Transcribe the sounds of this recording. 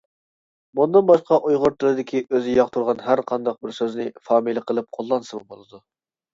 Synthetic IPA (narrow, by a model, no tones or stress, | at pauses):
mund̪ɨnbɑʃqɑʔujʁʊɾt̪ʰɨɾɨd̪ɪkʲiʔøzɪjɑqt̪ʰuɾʁɑnɦæɾqʰɑnd̪ɑq̚bɪɾsøznɪfɑːmiləqʰəlˠɨp̚qʰolˠːɑnsɨmɨbolˠɨd̪u